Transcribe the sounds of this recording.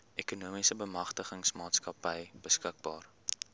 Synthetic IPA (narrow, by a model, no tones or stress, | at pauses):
ʔɛkunuəmisəbəmɐχtəχəŋsmɑːtskɐpəjb̥əskək̚bɑːr